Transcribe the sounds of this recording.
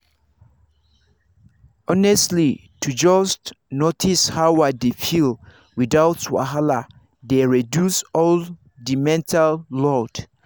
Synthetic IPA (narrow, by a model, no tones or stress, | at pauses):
ɔnɛstli | tʰud͡ʒɔst | notʰishawadefil | wiðawtwa̰ɦala | deɹidjusɔl | dimɛ̃ntʰalːɔd̥